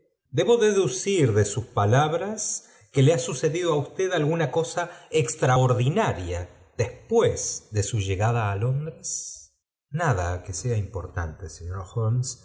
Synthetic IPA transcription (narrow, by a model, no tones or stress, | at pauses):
d̪e̞βo̞ðe̞ðusiɾðe̞suspalaβɾas | keleasuse̞ðiðoaust̪eðalɣunako̞saekst̪ɾaoɾðinaɾja | ðespwezðe̞suʒe̞ɣaðaːlo̞nd̪ɾes | naðakeseaimpoɾt̪a̰nt̪eseɲoɾxons